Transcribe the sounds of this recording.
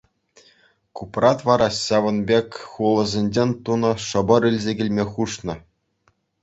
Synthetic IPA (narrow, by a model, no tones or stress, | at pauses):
kuprɑt̪ʋɑɾɑɕɑʋɤ̆nbʲekʲχulˠɤ̆zʲenʲd͡ʑenʲt̪unɤ̆ʂɤ̆bɤ̆ɾylʲzʲeɡʲɘ̆lʲmʲeχuʂnɤ̆